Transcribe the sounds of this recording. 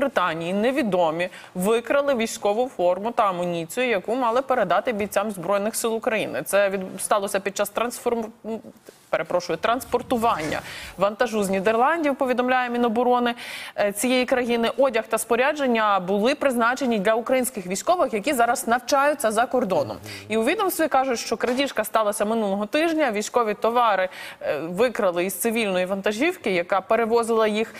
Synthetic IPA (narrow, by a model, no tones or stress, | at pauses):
bɾɪt̪ɑnʲijineʋʲid̪ɔmʲi | ʋɪkɾɐlˠɪʋʲijsʲkɔʋʊfɔrmʊt̪ɐːmɔnʲit͡sʲijʊjɐkumɑlˠɪpeɾed̪ɑt̪ɪbʲijt͡sʲamzbɾɔjnɪxsɪlˠʊkɾɐjḭnɪ̰t̪sɛʋʲist̪ɑlˠɔsʲɐpʲid̪̚t͡ʃɑst̪ɾɐnsfɔm | peɾepɾɔʃʊjʊt̪ɾɐnspɔrt̪ʊʋɑnʲːɐ̰ʋɐnt̪ɐʒuznʲid̪erlˠɑnʲdʲiwpɔʋʲid̪ɔmlʲajɛmʲinɔbɔɾɔnɪt͡sʲijejikɾɐjinɪʔɔdʲɐxt̪ɐspɔɾʲad͡ʒenʲːɐbʊlˠɪpɾɪznɑt͡ʃe̞nʲːid̪lʲɐukɾɐjinʲsʲkɪxʋʲijsʲkɔʋɪxjɐkʲizɑɾɐznɐwt͡ʃɑjʊtt͡sʲːɐzɐkɔrd̪ɔnɔ̰miʊʋʲid̪ɔmst̪ʋʲikɑʒʊtʲʃt͡ʃɔkɾɐdʲiʃkɐst̪ɑlˠɐsʲɐmɪnulˠɔɦɔt̪ɪʒnʲɐʋʲijsʲkɔʋʲit̪ɔʋɑɾɪʋɪkɾɐlˠɪizt̪sɪʋʲilʲnɔjiʋɐnt̪ɐʒʲiwkɪjɐkɑpeɾeʋɔzɪlˠɐjix